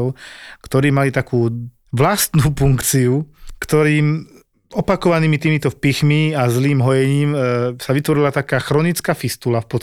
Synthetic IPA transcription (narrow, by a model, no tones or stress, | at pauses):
ʊkt̪ɔɾiːmalit̪akuː | ʋlast̪nuːfuŋkt͡siukt̪ɔɾiːm | ɔpakɔʋaniːmit̪iːmit̪ɔpixmiazliːmɦɔjɛɲiːmsaʋit̪ʋɔɾilat̪akaːxɾɔnit͡skaːfist̪ulafpɔ